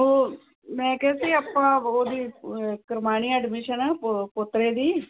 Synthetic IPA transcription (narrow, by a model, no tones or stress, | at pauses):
o | mɛ̃ːkɛsiːapːãːoːd̪iːkəɾmaːñiːɛːɖmɪʃənaːppʊt̪ɾeːd̪iː